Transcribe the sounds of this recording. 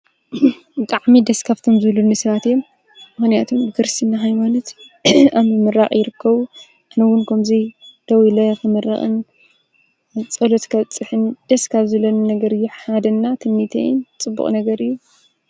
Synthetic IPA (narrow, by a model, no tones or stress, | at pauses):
bɨt̪ʼaʕmid̪ɐskʰaβt̪ʰo̞mzɨβlunːisɐβat̪jom | mɨxnijat̪ʰumbɨkɾɨst̪ʰinːaɦajmanot̪amɨmɨɾaχʼjɪɾɨkːɐβu | ʔanɐwʊnkʰɐmzid̪̥ɐwilɐkʰɨmɐrːɐ̰χʼɨ̰n | t͡sʼɐlot̪kʰɐβt͡sʼɨħɨnd̪̥ɐskʰaβzɐlonnɐɡɐɾɨjːuħad̪ɐnːat̪ʰɨmːit̪ʰɐ̰jɪnt͡sʼɨbːṵχʼnɐɡɐɾɨjːu